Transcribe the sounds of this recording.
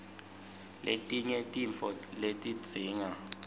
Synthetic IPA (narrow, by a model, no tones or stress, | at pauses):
lʔḛtʼiɲɛtʼiɱfɔletʼi̥d͡zʱiːŋa